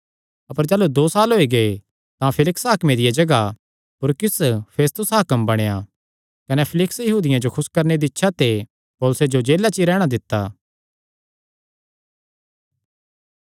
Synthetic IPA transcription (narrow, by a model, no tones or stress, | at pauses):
ɐpəɾd͡ʒaːlud̪oːsaːlɦoːiɡɐe | t̪ãpʰɪlɪksɦaːkmed̪ɪjad͡ʒɐɡa | pʊɾkɪspʰeːst̪ʊsɦaːkəmbɐɽ̃eja | kɐnepʰɪlɪksjɐɦuːd̪ɪjãd͡ʒokʰʊskɐɾned̪iɪtːʃʰat̪e | poːlʊsed͡ʒod͡ʒeːlat͡ʃiɾɛːɽ̃ad̪ɪt̪ːa̰ː